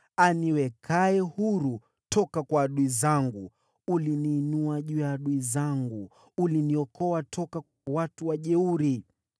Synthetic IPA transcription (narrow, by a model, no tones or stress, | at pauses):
aniwɛkʰaɛhuɾu | tɔkakwaːɗuizaŋɡu | uliniːnuaʄujaːɗuizaŋɡu | uliniɔkɔwatʰɔka | awatuwaʄɛuɾi